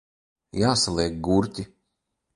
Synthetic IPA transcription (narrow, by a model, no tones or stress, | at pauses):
jaːsalˠeːɡɡuɾtʲi